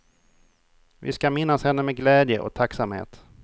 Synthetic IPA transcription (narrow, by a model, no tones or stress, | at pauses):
vɪ̰skamɪnːashɛnːəmɛɡlɛːd̪jəʔɔ̰k̚t̪ʰaksamhḛːt̪